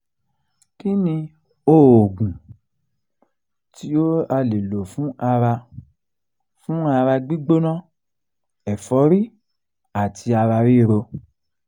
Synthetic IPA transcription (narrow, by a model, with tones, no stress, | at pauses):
ki˦nĩ˧ | o˦˨o˨ɡũ˨ | ti˨˦o˦a˧le˨lo˨fũ˦ʔa˧ɾa˧ | fũ˦a˧ɾa˧ɡ͡bi˦ɡ͡bo˦nã˦ | ɛ˨fɔ˨˦ɾi˦ | a˨ti˧˦a˧ɾa˧ɾi˦˨ɾo˧